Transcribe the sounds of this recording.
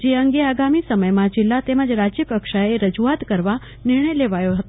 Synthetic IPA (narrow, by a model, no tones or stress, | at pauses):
d͡ʒeəŋɡeaɡamisəməjmãd͡ʒɪlːat̪eməd͡ʒɾad͡ʒjəkəkʃaeɾəd͡ʒuat̪kəɾʋa | nɪɾɳ̃əjleʋajoɦət̪